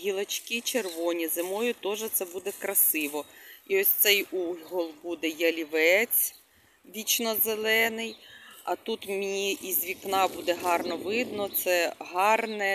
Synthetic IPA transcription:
ɦʲilˠɐt͡ʃkʲit͡ʃerʋɔnʲizɪmɔjʊt̪ɔʒɛt̪sɛbud̪ɛkɾɐsɪʋɔiɔsʲt̪sɛjuɦɔlˠbud̪ɛjɐlʲiʋɛt͡sʲ | ʋʲit͡ʃnɔzelˠɛnɪjɐ̰t̪ut̪mʲiʔizʲʋʲiknɑbud̪ɛɦɑrnɔʋɪd̪nɔt̪sɛɦɑrnɛ

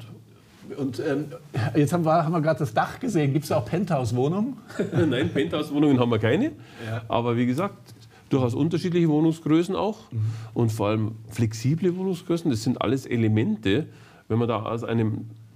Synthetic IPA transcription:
ʊntɛːmjɛt͡ssthaːbm̩viɐaːbm̩viɐɡʁaːt̚d̥asd̥aχɡ̥əzeːənɡiːp̚tsjaaʊxpʰɛnthaʊsv̥oːnʊŋənnaɪnpʰɛnthaʊsvoːnʊŋənhabmviːɐkʰaɪnəʔa̰ːbɐviːɡəzaːk̚t | d̥uːhastʔʊntɐʃiːtlɪçəvoːnʊŋsɡ̥ʁøːsn̩a̰ʊxʔʊntfɔːɐʔaləmflɛksiːbləvoːnʊŋsɡ̥ʁøːsn̩d̥aszɪntʔa̰ləsḛlemɛntə | vɛnmɐda̰ːʔa̰ʊsʔa̰ɪnəm

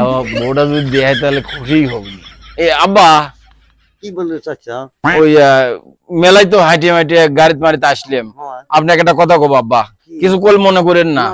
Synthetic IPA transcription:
boɖazud̪id̪eajt̪̬alekʰuʂijɦoɡni | eabːa | iaoja | melajt̪̬ɔɦajʈ̬iemajʈ̬iɡaɾit̪maɾit̪asliemapneɛkʈakɔt̪ʰakɔbabːa | kisʰukolmɔnekɔɾenːa

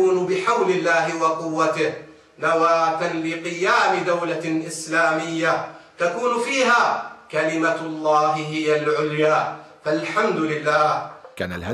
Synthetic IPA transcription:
uːnʊbɪħawlɪlːaːɦɪwɑqʊwːat̪ɪh | nawaːt̪anlɪqɨjaːmɪd̪awlaʔɪslaːmɪjːat̪akuːnʊfiːɦaːkalɪmalˤːɑːɦɪɦɪjalʕʊljaː | falħamd̪ʊlɪlːaːhka̰naa

